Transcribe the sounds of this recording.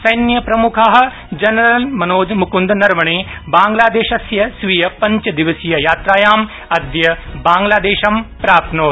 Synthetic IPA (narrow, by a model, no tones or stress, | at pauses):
sɐjnjɐpɾɐmukʰaːɦɐ̆ | d͡ʒɐnɐɾɐlmɐnoːd͡ʒ̪mukund̪nɐɾmɐɳeːbaːŋɡlaːd̪eːʃɐsjɐsʋijɐpɐɲt͡ʃɐd̪iʋɐsijɐjaːt̪ɾaːjaːm | ɐd̪jɐbaːŋɡlaːd̪eːʃɐmpɾaːp̚t̪noː